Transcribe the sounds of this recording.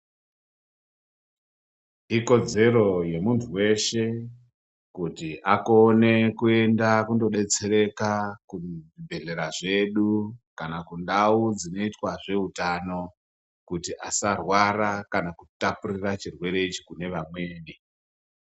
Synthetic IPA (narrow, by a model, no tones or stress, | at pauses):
iko̞d͡ze̞ɾo̞je̞muntʰuwe̞ʃe̞ | kutiʔako̞ne̞kue̞ndakundo̞ɗe̞t͡se̞ɾe̞kakuʐibʱe̞ɮe̞ɾaʐe̞ɗukanakundaud͡zino̞itwaʐe̞utano̞ | kutiʔa̰sarwarakanakutapurirat͡ʃirwe̞ɾe̞it͡ʃi̥kune̞ʋamwe̞ːni